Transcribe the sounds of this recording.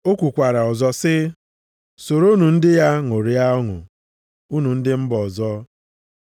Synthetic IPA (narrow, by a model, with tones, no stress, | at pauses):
o˦kʷu˨kʷa˨ɾa˨ɔ˨zɔ˦sɪ˦ | so˨ɾo˦nu˨n̩˦dɪ˦ja˦ŋo˨ɾi˨a˦ɔ˦ŋʊ̰˨ | u˦nu˨n̩˦dɪ˦m̩˦bɔ˨zɔ˦